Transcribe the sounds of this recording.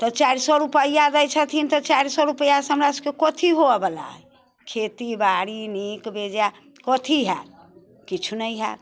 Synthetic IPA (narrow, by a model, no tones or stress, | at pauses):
t̪ɔt͡ʃaɾsɔɾupəjad̪ɛjt͡ʃʰət̪ʰint̪ɔt͡ʃaɾsɔɾupəjasəmɾad͡ʒkekɔt̪ʰiɦoabəla̰ɦɛ̰ | kʰet̪ibaɽinikbed͡ʒa | kɔt̪ʰiɦa̰t̪ | kit͡ʃʰunəjɦa̰t̪